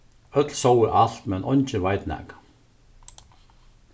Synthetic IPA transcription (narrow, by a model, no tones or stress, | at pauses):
œt̪lsowɪɾʔal̥t̪mɛnʔɔnt͡ɕɪvajt̪nɛ̰ːk